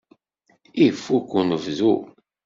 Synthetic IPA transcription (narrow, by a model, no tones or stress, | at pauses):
ifːukːunəvzu